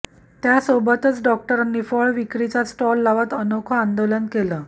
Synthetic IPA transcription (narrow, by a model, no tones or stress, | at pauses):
t̪jasobət̪ət͡sɖɔk̚ʈəɾənːifəɭʋikɾit͡sasʈɔlːaʋat̪ənokʰəand̪olənkeləː